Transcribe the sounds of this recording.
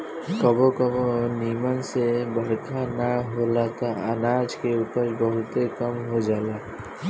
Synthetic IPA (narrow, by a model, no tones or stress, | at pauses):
kɔbokɔbonimansebəɾkʰanaɦolat̪aanad͡ʒkeupaɾbɔɦut̪ekʌmɦod͡ʒaːla